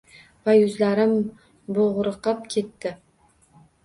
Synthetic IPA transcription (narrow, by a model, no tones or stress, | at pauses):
vajɵzlaɾɪm | boʁɾɨqɨp̚kʲʰe̞t̪ːɪ